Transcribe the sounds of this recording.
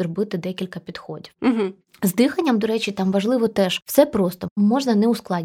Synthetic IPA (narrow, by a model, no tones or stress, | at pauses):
rɔbɪt̪ɪd̪ɛkʲilʲkɐpʲid̪xɔdʲiwm̩ɦ̩ | zd̪ɪxɐnʲːɐmd̪ɔɾɛt͡ʃʲit̪ɑmʋɐʒlˠɪʋɔt̪ɛʒ̥wsɛpɾost̪ɔmɔʐnɐnɛʊsklˠɑdʲ